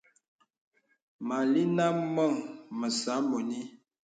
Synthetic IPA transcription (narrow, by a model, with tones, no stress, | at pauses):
ma˨li˦na˦mmɔ˦˨ŋmə˨sa˨˦mo˨ni˦